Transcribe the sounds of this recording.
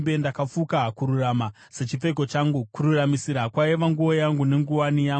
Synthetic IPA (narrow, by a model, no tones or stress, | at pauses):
bendakafukakuɾurama | se̞t͡ʃip͡fe̞k̬o̞t͡ʃaŋɡukuɾuramisiɾakwaiʋaŋɡuo̞jaŋɡune̞ŋɡuwanijaːŋ